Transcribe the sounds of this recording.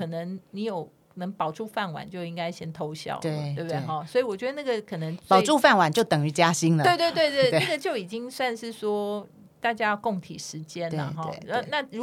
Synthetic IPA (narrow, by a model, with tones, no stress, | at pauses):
kʰɤ˨˩nə˧˦ŋni˧˥jo˨˩ʊ | nə˧˥ŋpɑ˨˩ʊʈ͡ʂu˥˧fa˥˩nwa̰˨˩˦nt͡ɕjo˥˩ʊi˦˥ŋka˥ɪɕjɛ˥nt̪ʰo˦ʊɕjɑ̰˥˨˩ʊe˧əwb̪e˥˩ɔ˥˩swɔ˧˥i˨wɔ˨˩t͡ɕɥɛ˧˥d̪ə˧na˥˩ɡə˨kʰɤ˨˩nə˧˦ŋt͡spɑ˥˨ʊʈ͡ʂu˥˧fa˥˨nwa˨˩nt͡ɕjo˥˩ʊt̪ə˨˩ŋy˧˥t͡ɕja˦˥ɕi˥ŋlə˨we˥˧ɪt̪we˥˧ɪt̪we˥˧ɪt̪we˧˥˩ɪna˧˥˩ɡə˨˩t͡ɕjo˥˩ʊi˨˩t͡ɕi˦˥ŋswa˥˧nʂɻ̩˥˩swɔ˥ | t̪a˥˩t͡ɕja˥jɑ˥˧ʊko˥˩ŋt̪ʰḭ˨˩ʂɻ̩˨˧˦t͡ɕjɛ˦nə̰˨ɦɔ˥˧˥na˥˨ɻu˧